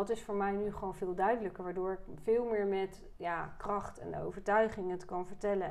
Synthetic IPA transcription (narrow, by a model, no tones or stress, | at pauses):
ɑtɪsfʊːɹmɛjnyχəʋownvɪːlˠdœɥdələkəɹʋaːɹdʊːɹɪkfɪːlˠmɪːɹmɛt | jaːkrɑχtɛ̰no̰wvəɹtœɥχɪŋətkɑnvəɹtɛlə